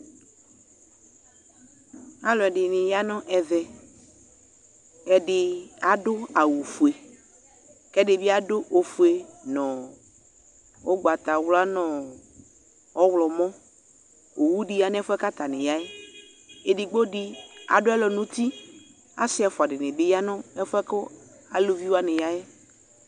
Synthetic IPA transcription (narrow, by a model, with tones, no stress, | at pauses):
a˨˦lɔ˨ɛ˨ɖɪ˨nɪ̃˨ja˦nɔ̃˦ʔɛ˨vɛ˨ | ɛ˦ɖɪ˦a˨dʊ˦a˨wu˨fu˨e˨ | kɛ˦ɖɪ˨bɪ˦a˦dʊ˦ʔo˨fu˨e˨nɔ̃˨ | o˦ɡ͡ba˨t̪a˨wla˦nɔ̃˨ | ɔ˦wlɔ˨mɔ̃˦ | o˨wu˦ɖɪ˦ja˦n˦ɛ˦fʊ˦ɛ˦ka˦t̪a˨nɪ̃˨ja˦ɛ˦ | e˨di˨ɡ͡bo˦dɪ˦a̰˨dʊ˦ɛ˦lɔ˨nũ˦t̪i˦ | a˦sɪ˦ɛ˨fʊ˨a˨ɖɪ˨nɪ̃˨bɪ˦ja˦nɔ̃˦ɛ˦fʊ˦ɛ˦kʊ˦ | a˨lo˦vi˦wa˦nɪ̃˨ja˦jɛ˦